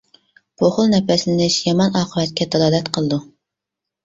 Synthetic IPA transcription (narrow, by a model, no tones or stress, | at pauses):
pʰoχʊlˠnɛpɛslɪnɪʃjɑmɑnɑːqʰəvɛt̪̚kʲʰɛt̪ʰɑlˠɑːd̪ɛt̪qʰəlˠɨd̪u